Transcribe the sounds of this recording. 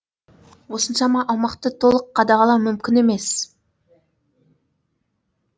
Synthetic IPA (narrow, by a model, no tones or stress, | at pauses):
wo̞sənʃɑmɑʔɑwˠmɑqt̪ət̪ʰo̞lˠəqʰːɑd̪ɑʁɑlˠɑwmʏmkʲɪne̞me̞s